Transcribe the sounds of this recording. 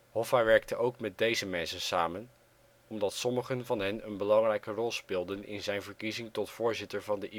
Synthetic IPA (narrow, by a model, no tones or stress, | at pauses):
ɦɔfaʋɛɹk̚təʔowkmɛt̚dejzəmɛnsənsaːmən | ɔmdɑtsɔməχənvɑnɦɛnənbəlɑŋrɛjkərɔlˠspɪːlˠdənɪ̰nzɛjnvəɹkizɪŋtɔtfʊːɹzɪtəɹvɑndəʔi